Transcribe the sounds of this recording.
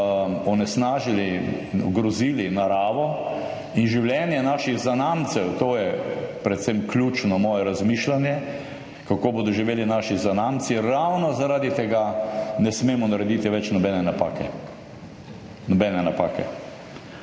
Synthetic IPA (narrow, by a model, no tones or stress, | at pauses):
ɔnɛsnaːʒili | ɔɡɾɔziːlinaɾaːʋɔ | inʒiwljɛːnjɛnaːʃiɣzanaːmt̪sɛwt̪oːjɛpɾɛt̪semklʲjuːt͡ʃnɔmɔːjɛɾazmiːʃlanjɛ | kakoːboːd̪ɔʒiʋeːlinaːʃizanamt̪siɾawnɔzaɾaːd̪it̪ɛɡanɛsmeːmɔnaɾɛd̪iːt̪iʋɛt͡ʃnɔbɛːnɛnapa̰ːkɛ | nɔbɛnɛnapaːkɛ̰